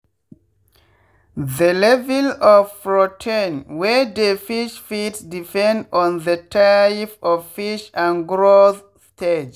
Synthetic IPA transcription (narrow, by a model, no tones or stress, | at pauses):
ðəlɛvɛlɔvɹɔtʰĩnwɛdəfiʃfitsdipɛ̃ndɔ̃nðətʰafɔvfiʃãnɡɹoθ | stʰed͡ʒ